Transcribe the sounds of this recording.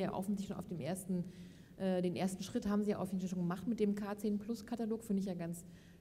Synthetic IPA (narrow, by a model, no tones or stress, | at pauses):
ja̰ːʔa̰ʊfn̩ɪçʃona̰ʊfd̥eːmʔeːɐstn̩ | ʔɛːdeːnʔeːɐstn̩ʃʁ̥ɪthaːbm̩ziːjaːʔʊfɪɡn̩falʃoːnŋɡəmaχtmɪt̚d̥eːmkʰaːt͡seːnpʰlʊskʰataloːkfyːɐmɪç̬jaːɡant͡s